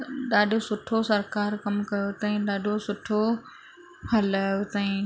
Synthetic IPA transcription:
ɗaːɗʱosʊʈʰosɐɾkaːɾkɐmkɐjot̪ãːĩɗaːɖʱosʊʈʰo | hɐlaːjot̪ãːĩ

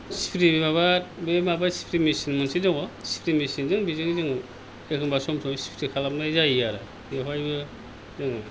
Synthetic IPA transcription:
si̥pʰɾibemababemabasi̥pʰɾimisinmɯnsidɯŋɔsi̥pʰɾimisinzɯŋbizɯŋzɯŋ | ekʰɯŋbasɔmsʰɔmsi̥pʰɾikʰalap̚najzajaɾa | japajbɯ | zɯŋ

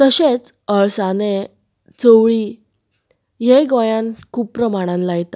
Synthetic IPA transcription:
t̪əɕet͡səɭsane | t͡sowɭi | jeɡɔjãnkʰuːb̚pːɾəmaɽ̃ãnlajt̪a

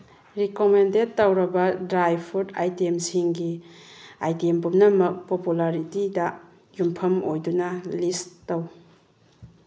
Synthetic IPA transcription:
ɾikomendetːawɾɐbɐdɾajpʰudajtemsiŋɡi | ajtiempumnɐmɐk̚populaɾitidɐ | jumpʰɐmojdunɐlistːɐw

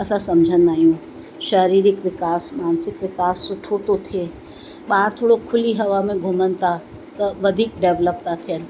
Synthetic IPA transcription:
ɐsãsɐmd͡ʒʱənaːijũ | ʃɐɾiːɾɪkʋɪkaːsmaːnsɪkʋɪkaːsːʊʈʰot̪ot̪ʰieː | ɓaːɾt̪ʰoːɽokʰʊliɦɐʋamẽɡʱʊmənt̪ʰa | t̪ɐʋɐd̪ʱiːk̚ɖɛʋləp̚t̪at̪ʰiən

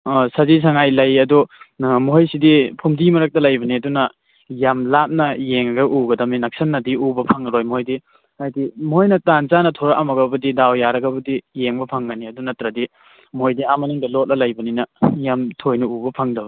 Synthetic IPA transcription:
sazis̬ʰaŋajlajɐdumoɦɔjsidipʰumdimɐɾɐk̚tɐlajbɐniɐdunɐ | jamlap̚nɐjeŋɐɡɐʔuɡɐdɐminak̚sɐnːɐdiubɐpʰɐŋɾojmojdi | ajdimoojnɐtant͡ʃanɐtʰɔɾaʔamɐɡɐbɐdidawjaɾɐɡɐbɐdijeŋbɐpʰɐŋɡɐniɐdunɐtɾɐdi | mojdiamɐnuŋdɐlɔt̚lɐlajbɐninɐjamtʰojnɐubɐpʰɐŋdɐbɐ

